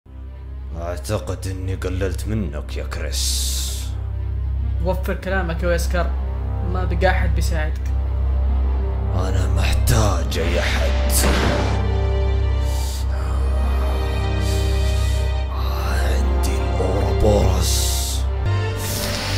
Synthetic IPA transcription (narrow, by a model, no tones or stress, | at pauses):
ʔaʕt̪aqɪd̪ʔɪnːiɡalːalt̪mɪnːakjakɾɪ̰s | wafːɨɾkalaːmakwʔaskɑɾˤ | mabɡaːħɪd̪̚bisaːʕɪd̪ak | ʔanamaħt̪aːd͡ʒajaħad̪ | a | ʕɪnd̪inʔuːɑ̰bɑɾs